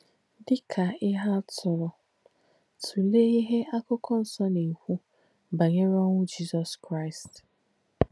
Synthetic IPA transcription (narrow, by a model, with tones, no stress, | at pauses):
dɪ˦kʰa˨ɪ˦ɦa˦tʰʊ˨ɾʊ˨ | tʰu˨le˦i˦ɦe˦ʔa˦kʊ˦kɔ˦n̩˨sɔ˦ne˨hʷu˦ | ba˨ɲe˦ɾɔ˦ŋʷʊ˦d͡ʒi˦zɔ˨skɾa˦ɪ˨st